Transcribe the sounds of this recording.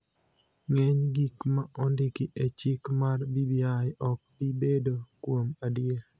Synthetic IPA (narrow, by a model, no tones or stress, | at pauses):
ŋɛɲɡikmaɔndɪkiʔet͡ʃɪkmarbibjajɔk̚pibedokwomadɪe